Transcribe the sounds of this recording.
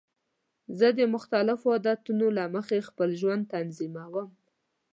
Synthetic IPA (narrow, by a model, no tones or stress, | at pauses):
zəd̪əmʊxt̪alɪfoad̪at̪unolaməxexpəlʒwand̪̚t̪anzimawəm